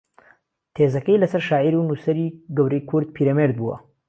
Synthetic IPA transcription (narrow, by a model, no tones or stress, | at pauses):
t̪ʰeːzɐkɐjlɐsɐɾʃaːʕiɾunuːsɐɾiɡɐwɾɐjkʰuɾd̪̚pʰiːɾɐmeɾd̪̚buwɐ̰